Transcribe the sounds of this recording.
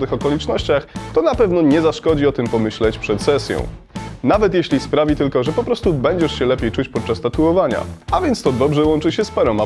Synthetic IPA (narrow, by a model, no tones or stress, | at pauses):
t̪ɘxɔkɔlʲit͡ʂnɔɕt͡ɕaxt̪ɔnapɛvn̪ɔɲɛzaʂkɔd͡ʑiɔt̪ɘmpɔmɘɕlɛt͡ɕpʂɛt̪sɛsʲjɔ̰̃w̃ | navɛt̪jeɕlʲispɾavʲit̪ɘlkɔʐɛpɔpɾɔst̪ubɛɲd͡ʑɛʂɕɛlɛpʲjejt͡ʂut͡ɕpɔt̪̚t͡ʂast̪at̪uɔvaɲa̰avʲjɛnt̪st̪ɔd̪ɔbʐɛwɔnt͡ʂɘɕɛspaɾɔ̃w̃a